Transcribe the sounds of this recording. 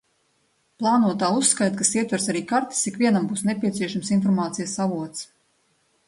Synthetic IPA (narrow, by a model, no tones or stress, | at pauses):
plˠaːnuɔt̪aːusːkajt̪kasiɛt̪vaɾsaɾiːkaɾt̪i̥sikvʲiɛnambuːsnepʲiɛt̪siɛʃamsinfɔɾmaːt̪sijasavuɔt̪s